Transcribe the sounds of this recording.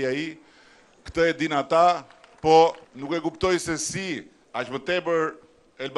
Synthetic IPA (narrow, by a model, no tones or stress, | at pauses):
ai | kt̪əɛd̪inat̪a | pɔnukɛkupt̪ɔjsɛsi | aʃmət̪ɛbəɾ | ɛlb